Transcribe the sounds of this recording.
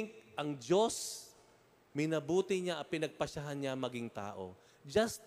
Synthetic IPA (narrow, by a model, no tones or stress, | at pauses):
ŋk̚ʔɐŋd͡ʒo̞s | mɪnɐbuːt̪ɪɲaʔɐpɪnɐɡ̚pɐʃaɦanɲaŋmɐɡɪŋt̪a̰ːʔo̞̰ | d͡ʒɐst̪